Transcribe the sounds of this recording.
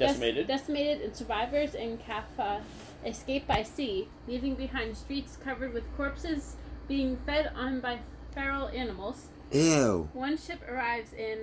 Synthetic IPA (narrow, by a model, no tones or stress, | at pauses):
d̥ɛsneɪɾɨddɛsɨneɪɾɨɾɨ̃nsə˞vaɪvə˞zɨ̃nkʰæf | ʔɨskeɪp̚b̥aɪsi | livɪ̃ŋbɨɦãɪ̃nd̥stɹ̥itskʰʌvə˞d̚wɨð̥kʰɔɹpsɨzb̥iɪ̃ŋfɛɾn̩baɪ | fɛɹl̩ˠænəml̩ˠz̥ | ʔewʌ̃nʃɪpə˞aɪvzɪ̃n